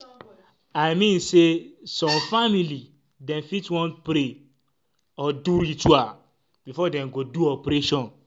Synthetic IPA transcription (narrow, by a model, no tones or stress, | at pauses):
aɪmĩnsesɔ̃mfamili | dɛ̃mfitwɔ̃ntpɾe | ɔduɾitua | bifɔdɛ̃mɡoduɔpɾeʃɔ̃n